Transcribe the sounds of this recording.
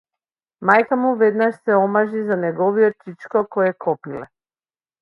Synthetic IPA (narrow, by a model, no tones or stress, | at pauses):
majkamuvɛd̪naʃsɛɔmaʒizanɛɡɔviɔt͡ʃit͡ʃkɔkɔjɛkʰɔpilɛ